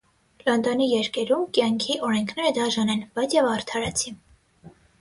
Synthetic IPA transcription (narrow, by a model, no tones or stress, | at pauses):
lɑnd̪ɑnijɛɾkɛɾumkjɑŋkʰiʔɔɾɛŋkʰnɛɾəd̪ɑʒɑnɛnb̥ɑjt͡sjɛvɑɾt̪ʰɑɾɑt͡sʰi